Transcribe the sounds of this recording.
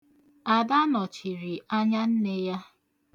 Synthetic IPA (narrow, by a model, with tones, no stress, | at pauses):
a˨da˦nɔ˨t͡ʃi˨ɾi˨a˦ɲa˦n̩˦ne˦ja˦